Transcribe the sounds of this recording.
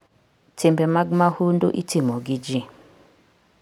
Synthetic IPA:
tʰimbɛmaɡmahundo̰ʔitʰimɔɡid͡ʒi

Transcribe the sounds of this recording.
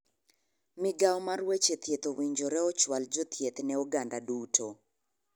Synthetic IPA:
mɪɡawɔmarwet͡ʃet̪jet̪owiɲd͡ʒoɾɛɔt͡ʃwald͡ʒɔt̪jet̪nɛɔɡandadutʰo

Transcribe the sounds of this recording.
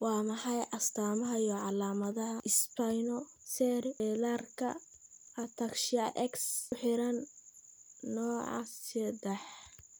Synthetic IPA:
wɑːmɐħɑjʔɐst̪ʰaːmɐɦɐjɔʕɑlaːmɐðɐɦɐʔɪspʰajnɔ | sɛɾɛlaːrkʰɐ̰ | hɐt̪ʰɐkʃɪɐʔɛksʊħɪɾɐnː | ɔːʕɑ̰ssɛd̪ɛħ

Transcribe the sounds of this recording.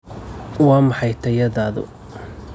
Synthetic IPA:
wɑːmɑħɑjt̪ʰɐjɐðaːðʊ̰

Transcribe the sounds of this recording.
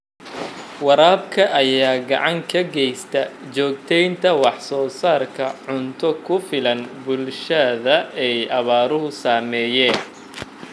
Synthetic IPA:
wɑɾaːb̚kʰɐʔɐjaːɡɑ̰ʕɑŋkʰɐɡɛjst̪ʰɐt͡ʃɔːɡt̪ʰɛjnt̪ʰɐwɑħsɔːsaːrkʰɐʕʊnt̪ʰɔkʰʊfɪlɐnbʊlʃɐðɐɛjɐβaːɾʊɦʊsaːmɛːjɛːn

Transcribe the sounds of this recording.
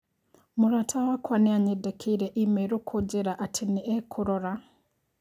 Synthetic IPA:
muɾatʰawakwaniaɲedekʰiɾeʔimeɾukʰud͡ʒiɾaʔatʰiniʔekʰuɾoɾa

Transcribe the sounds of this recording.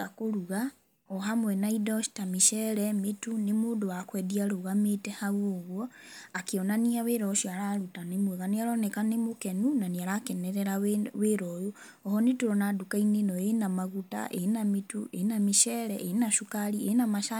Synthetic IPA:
akoɾuɣa | ɔɦamwɛnaidɔʃi̥tamiʃɛɾɛmetunemoːdoakwɛdiaɾoɣametɛhauoɣwɔakeɔnaniaweɾɔʃiaɾaɾutanemweɣaneaɾɔnɛkanemokɛnunaniaɾakɛnɛɾɛɾaweɾɔjo | ɔhɔnetuɾɔnadukainenɔenamaɣuta̰ʔenamitṵʔenameʃɛɾɛʔenaʃukaɾienamaʃa

